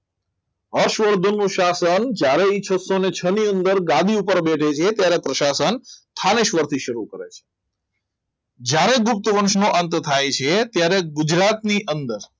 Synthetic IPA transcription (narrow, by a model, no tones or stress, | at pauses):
ɦəɾʃʋəɾd̪ʱonːũʃasənd͡ʒjaɾeit͡ʃʰəsonet͡ʃʰəniənd̪əɾɡãd̪iupəɾbeʈʰet͡ʃʰet̪jaɾepɾəʃasənt̪ʰaneʃʋəɾt̪ʰiʃəɾukəɾḛt͡ʃʰe̥ | d͡ʒjaɾeɡʊp̚t̪ʋənʃnoʔənt̪t̪ʰajt͡ʃʰet̪jaɾeɡʊd͡ʒɾat̪niʔənd̪əɾ